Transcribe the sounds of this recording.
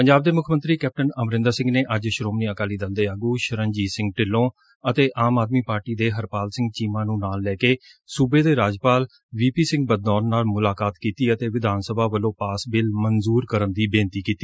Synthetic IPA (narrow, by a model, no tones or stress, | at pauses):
pəɲd͡ʒaːbd̪eːmʊkʰmə̃nt̪ɾiːkɛːp̚ʈənəmɾɪ̃nd̪əɾsɪ̃ŋɡneːʔəd͡ʒʃɾoːmniːəkaːliːd̪əld̪eːaːɡuːʃəɾənd͡ʒiːsɪ̃ŋɡ̚ʈɪlːõː | ət̪eːʔaːmaːd̪̚miːpaːɾʈiːd̪eːɦəɾpaːlsɪ̃ŋɡt͡ʃiːmãːnũːnaːlːɛːkeː | suːbeːd̪eːɾaːd͡ʒpaːl | ʋiːpiːsɪ̃ŋɡ̚bəd̪nɔːnːaːlmʊlaːkaːt̪kiːt̪iːət̪eːʋɪd̪ʱaːnsəbʱaːʋəlõːpaːsbɪlmənzuːɾkəɾənd̪iːbẽːnt̪iːkiːt̪iː